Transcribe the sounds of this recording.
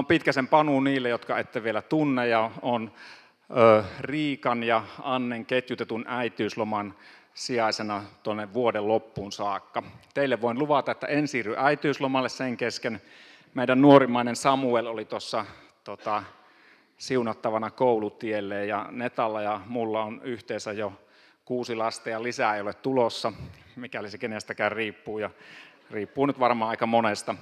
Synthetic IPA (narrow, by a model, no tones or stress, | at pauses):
ompit̪kæsempɑnunniːlːejjot̪kɑet̪ːeʋielæt̪unːejjɑon | øːriːkɑnjɑɑnːeŋket̪jut̪et̪unʔæit̪yːslomɑn | siɑˑisenɑt̪onːeʋʋuodellopːuːnsɑːkːɑt̪eˑilːeʋʋoˑinluʋɑt̪ɑet̪ːæ̰ʔensiːrːyʔæit̪yːslomɑlːesseŋkesken | meˑidænnuorimɑˑinensɑmuelolit̪osːɑ | t̪ot̪ɑ | siunɑt̪ːɑʋɑnɑkoˑulut̪ielːeːjjɑnet̪ɑlːɑjɑmulːɑonyht̪eisæjjo | kuːsilɑst̪ɑjɑlisæeˑjolet̪t̪ulosːɑ | mikælisekenest̪ækæyrriːpːuːjɑ | riːpːuːnyt̪ʋɑrmɑːɑˑikɑmonest̪ɑ